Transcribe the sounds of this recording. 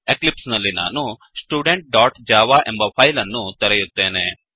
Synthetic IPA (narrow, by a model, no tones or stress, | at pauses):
eklipsnɐlːina̰nu | sʈuːɖeɳʈ̚ɖɔːʈd͡ʒaːʋaʔẽmbɐpʰajlɐnːũt̪ɐɾejut̪ːeːne